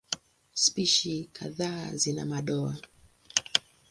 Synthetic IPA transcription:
spiʃikʰa̰ðaːzina̰maɗɔa̰

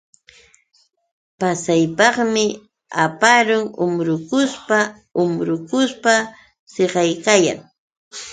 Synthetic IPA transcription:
pasajpɑχmɪ | apaɾʊŋʊmɾʊkʊspa | ʊmɾʊkʊspa | seɢɑjkaja̰ŋ

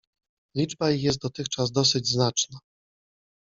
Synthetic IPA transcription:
lʲid͡ʐbajixjɛst̪̚d̪ɔt̪ɘxt͡ʂazd̪ɔsɘd͡ʑznat͡ʂna

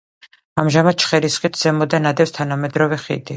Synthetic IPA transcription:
amʒamad̪̥̚t͡ʃʰχɛɾisχit̪ʰz̥ɛmɔd̪anad̪ɛfst̪ʰanamɛd̪ɾɔvɛχḭd̪i

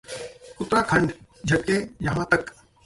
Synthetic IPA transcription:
kʊt̪ɾaːkʰɐ̃ɳɖ | d͡ʒʱɐk̚kejɐɦãːt̪ɐk

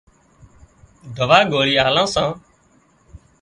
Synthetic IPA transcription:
ɖʱəʋaːɡoːɾiːaːlãːsãː

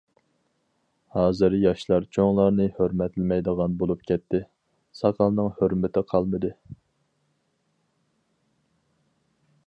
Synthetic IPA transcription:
hɑːzɨɾjɑʃlˠɑɾt͡ʃʰoŋlˠɑɾnɨhøɾmɛt̪lɪmɛjd̪əʁɑnbolˠup̚kʲʰɛt̪ːɪ | sɑqʰɑlˠnɨŋhøɾmɪt̪ʰɪqʰɑlˠmɨd̪ɨ

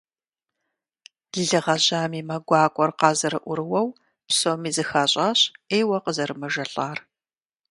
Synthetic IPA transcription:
ɮɨʁɐʑaːmiːmɐɡʷɑːkʷʼɔrqɑːzɐɾɨʔʷʊɾɨwɐw | psomiːzɨxaːɕʼaːɕeːjwɐqəzɐɾɨmɐʒɐɬʼaːr

